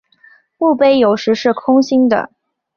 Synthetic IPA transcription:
u˥˧pe˥˩ɪjo˨˩ʊʂɻ̩˧˥ʂɻ̩˥˩kʰʊ˥ŋɕi˥ŋd̪ə̰˨

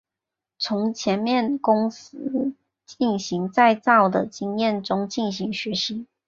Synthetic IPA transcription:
t͡sʰʊ˧˥ŋt͡ɕʰjɛ˧˥nmjɛ˥˩nkʊ˥ŋs̩˥ | t͡ɕi˥˩nɕi˧˥ŋt͡sa˥˧ɪt͡sɑ˥˩ʊd̪ə˩t͡ɕi˥ŋjɛ˥˩nʈ͡ʂʊ˥ŋt͡ɕi˥˩nɕi˧˥ŋɕɥɛ˧˥ʂə˥ŋ

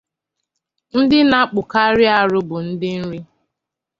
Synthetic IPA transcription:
n̩˦dɪ˦na˦k͡pʊ˨ka˦ɾɪ˦a˨ɾʊ˦bʊ˨n̩˦dɪ˦n̩˦ɾi˦

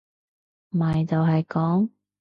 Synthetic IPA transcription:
maː˨jt͡s̪ɐ˨˧wɦɐ˨jkɔː˨˥ŋ

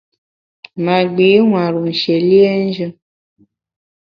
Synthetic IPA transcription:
ma˨ɡ͡bi˨˦wʷa˨ɾu˨n̩˨ʃe˨li˦e˦n̩˦d͡ʒɨ˦

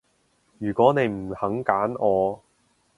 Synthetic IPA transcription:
jyː˨˩kwɔː˨˥ne˨˧jm̩˨˩hɐ˨˥ŋkaː˨˥nɔː˨˧

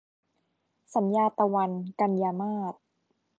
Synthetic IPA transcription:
sa˩˦njaː˧t̪a˧wa˧nka˧njaː˧maː˥˩t̪̚

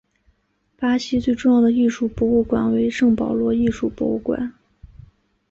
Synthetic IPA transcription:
pa˥ɕi˥t͡swe˥˧ɪʈ͡ʂʊ˥˧ŋjɑ˥˩ʊd̪ə˩i˥˧ʂu˥˩pwɔ˧˥u˥˩kwa˨˩nwe˧˥ɪʂɤ˥˩ŋpɑ˨˩ʊlwɔ˧˥i˥˧ʂu˥˩pwɔ̰˧˥u˥˩kwa̰˨˩˦n

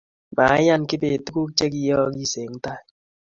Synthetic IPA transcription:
ma˨˦ja˦˨nkɪ˦be˨tu˦ku˦k̚t͡ʃe˦k̬i˦jɔ˦ki˦se˨˦ŋ˦ta˦˨

